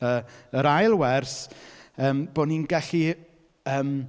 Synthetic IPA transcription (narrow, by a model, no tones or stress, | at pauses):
əəɾajlˠwɛrsəːmb̥oːninɡɛɬi | əːm